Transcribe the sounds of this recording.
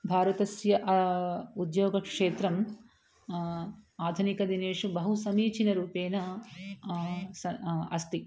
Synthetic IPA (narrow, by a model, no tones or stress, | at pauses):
bʱaːɾɐt̪ɐsjɐʔ | ud̪joːɡɐkʂeːt̪ɾɐm | aːd̪ʱunikɐd̪ineːʂubɐɦusɐmiːt͡ʃinɐɾuːpeːnɐ | sɐɐst̪i